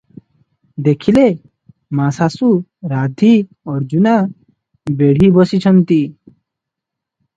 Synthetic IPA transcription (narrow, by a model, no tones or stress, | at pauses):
d̪ekʰile | masasuɾad̪ʱi | ɔɾd͡ʒuna | beɽ̤ibɔsit͡ʃʰɔnt̪i